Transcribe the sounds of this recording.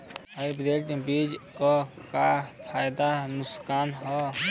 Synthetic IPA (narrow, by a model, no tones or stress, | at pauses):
ajbɾeːʈbiːd͡ʒkokapʰaːjd̪anʊskaːnɦɔ